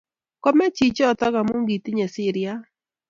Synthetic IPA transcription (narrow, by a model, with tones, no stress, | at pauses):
kɔ˦mɛ˦t͡ʃi˨t͡ʃɔː˦˨t̪ɔ˦ɡa˨mo˦ŋɡi˨t̪i˦ɲɛ˨sɪ˦ɾɪa˦